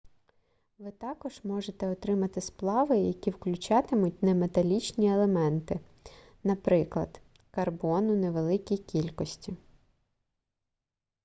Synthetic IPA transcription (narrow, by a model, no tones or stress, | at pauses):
ʋɪt̪ɑkɔʒ̥mɔʒet̪ɛɔt̪ɾɪmɐt̪ɪsplˠɑʋɪjɐkʲiwklʲʊt͡ʃɑt̪ɪmʊt̚ʲnɐmet̪ɐlʲit͡ʃnʲielˠemɛnt̪ɪ | nɐpɾɪklˠɐ̰d̪̥ | kɐrbɔnʊneʋelˠɪkʲijkʲilʲkɔsʲtʲi